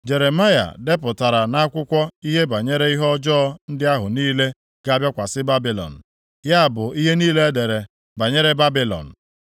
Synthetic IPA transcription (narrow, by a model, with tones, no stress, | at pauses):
d͡ʒe˨ɾe˨ma˦ja̰˨de˦p̬ʊ˨ta˨ɾa˨na˦kʷʊ˦kʷɔ˦i˦ɦe˦ba˨ɲe˦ɾe˦i˦ɦɔ˦d͡ʒɔː˦n̩˦dɪ˦a˦ɦʊ˨niː˦le˦ | ɡ̥a˦a˦bjɔ˦kʷa˨sɪ˦ba˦bi˨lɔ̰˨n̩˨ | ja˦a˨bʊ˨i˦ɦe˦niː˦le˦e˦de˨ɾe˨ | ba˨ɲe˦ɾe˦ba˦bi˨lɔ̰˨n̩˨